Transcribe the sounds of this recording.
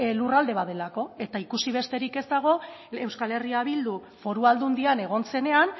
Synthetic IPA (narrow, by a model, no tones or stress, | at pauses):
lurald̪e̞β̞aðe̞lako̞e̞t̪aikusiβ̞e̞st̪e̞ɾike̞zd̪aɣ̞o̞e̞wskale̞riaβild̪u | fo̞ɾuald̪und̪iane̞ɣ̞o̞nse̞ne̞an